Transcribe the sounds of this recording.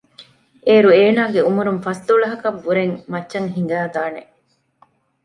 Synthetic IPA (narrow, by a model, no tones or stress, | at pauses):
ʔeːɾueːnaːɡeumuɾumfɐst̪uɭɐɦɐkɐbːuɾeŋmɐtːʃɐŋɦiŋ̆ɡæːɡ̪aːne